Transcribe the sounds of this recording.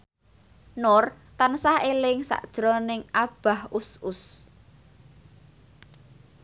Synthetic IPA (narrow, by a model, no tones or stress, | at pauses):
nʊrt̪ansahelɪŋsa̰ʔd̥ʒ̥ɾɔnɪŋʔab̥a̤hʊsʊs